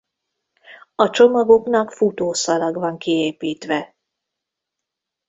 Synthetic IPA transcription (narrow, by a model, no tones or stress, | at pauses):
ɒt͡ʃo̞mɒɡo̞knɒkfut̪oːsɒlɒɡʋɒŋkieːpiːt̪ʋɛ